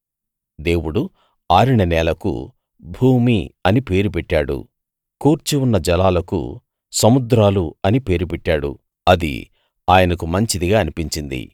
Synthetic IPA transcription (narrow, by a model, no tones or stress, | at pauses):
d̪e̞ːwuɽu | aːɾiɳɐnɛːlɐkṵ | bʱuːmiɐnipe̞ːɾupɛʈːaːɽṵ | kuːɾt͡ʃiunːɐd͡ʒɐlaːlɐkṵ | sɐmud̪ɾaːluɐnipe̞ːɾupɛʈːaːɽṵ | ɐd̪ḭ | aːjɐnɐkumɐɲt͡ʃid̪iɡaːɐnipiɲt͡ʃind̪ḭ